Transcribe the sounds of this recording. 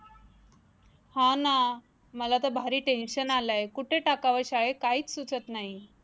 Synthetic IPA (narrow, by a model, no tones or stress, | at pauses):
hãna | məlat̪əbʱaɾiːʈenɕənalajkuʈʰeʈakaʋəɾɕaɭekaiːt͡ssut͡sət̪naɦi